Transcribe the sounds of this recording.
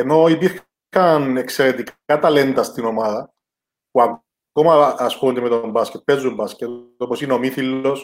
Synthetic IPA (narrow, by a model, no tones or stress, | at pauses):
eno̞ipiɾx | ɐnekseɾe̞t̪ikat̪ɐle̞nt̪ɐst̪ino̞maðɐ | puak | komɐːspunt̪imet̪ombascet̪̚pezːumbascet̪oposino̞miθilːos